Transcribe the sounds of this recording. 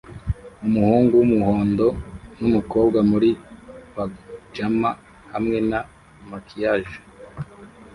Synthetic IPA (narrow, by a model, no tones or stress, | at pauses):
umuhuːŋɡuwumuhoːndo̞numuko̞ːbɡamuɾiβad͡ʒama | hamŋe̞na | makijaʒḁ